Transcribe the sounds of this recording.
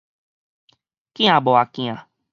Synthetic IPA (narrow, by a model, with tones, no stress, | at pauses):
kĩ˦ã˨bɔ˨a˨kĩ˧ã˨